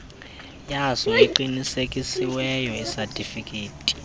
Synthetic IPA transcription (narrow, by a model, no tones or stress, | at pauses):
jasɔiǃinisekʼisiwɛjɔisatʼifikʼeːtʼi̥